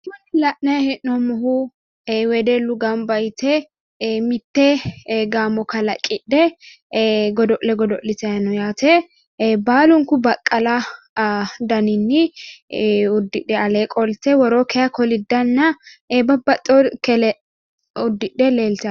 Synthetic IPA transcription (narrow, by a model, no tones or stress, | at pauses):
mɐnɪlɐʔnɐjɐhɛʔnɔmʊɦʊ | wɛd̪ɛlʊɡɐmbɐjt̪ɛ | mɪt̪ːɛɡaːmɔkɐlɐkʼɪɗːɛ | ɡɔd̪ɔʔlɛɡɔd̪ɔʔlɪt̪ɛjɐnɔjaːt̪ɛ | baːlʊŋkʊbɐkʼːɐlɐ | d̪ɐnɪnːɪ | ʊd̪ːɪᶑɛɐleːkʼɔlt̪ɛwɔɾoːkɛjɐkɔlɪd̪ːɐnːɐbɐbːɐt̪ʼːokɛlɛ | ʊd̪ːɪᶑːɛleːlt̪ɐ